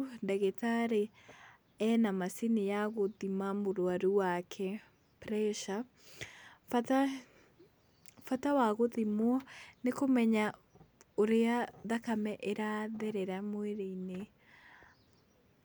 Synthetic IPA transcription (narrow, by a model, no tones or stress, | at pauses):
ndɛɣetaɾe | ɛnamasinijaɣoðimamoɾwaɾuwakʰɛ | pɾɛʃa | fata | fatawaɣoðimwɔnekomɛɲa | oɾeaðakamɛʔeɾaðɛɾɛɾamoeɾeine